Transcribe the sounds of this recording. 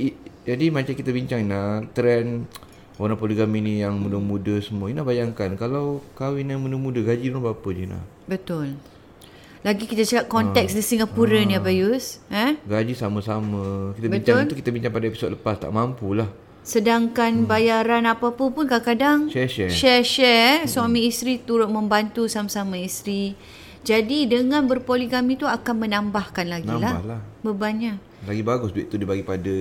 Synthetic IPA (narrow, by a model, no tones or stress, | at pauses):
id͡ʒadimat͡ʃamkit̪abiɲt͡ʃaŋinat̪ɾɛn | oɾapoliɡaminijaŋmundəmudəsəmuinabajaŋkankalawkawinjaŋmundəmudəɡad͡ʒidunapapəd͡ʒina̰h | bət̪ʊl | laɡikit̪ət͡ʃakat̪̚kɔnt̪ɛksdisiŋapuɾaniabajusə̃ɡad͡ʒisaməsaməkit̪əbiəɲtt͡ʃaʊlukit̪abiɲt͡ʃaŋpadaepi̥so̰d̪̚ləpast̪a̰ʔmampulah | sədaŋkanbajaɾanapapəpʊnkakadaŋʃɛʃɛʃɛʃɛsuamiːst̪ɾit̪uɾʊt̪̚məmbant̪usamasamaist̪ɾi | d͡ʒadidəŋãnbərpoliɡamit̪uakanmənambahkanlaɡilaha̰hlahbəbaɲaʔ | laɡibaɡʊsduḛʔt̪udibaɡipada